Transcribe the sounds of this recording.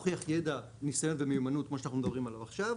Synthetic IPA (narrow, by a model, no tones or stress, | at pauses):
χijaχjeda | nisajo̞nvemejumanut̪̚kmoʃeanaχnumed̪abʁimalavaχʃav